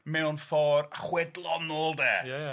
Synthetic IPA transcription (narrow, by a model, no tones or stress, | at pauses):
mɛʊnfɔːraχwɛdlˠɔnoːlˠdɛ̰ːj